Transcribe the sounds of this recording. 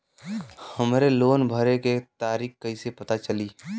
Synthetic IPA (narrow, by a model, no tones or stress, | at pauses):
həmɾeloːnbʱəɾeket̪aːɾiːxkːəisepət̪at͡ʃəliː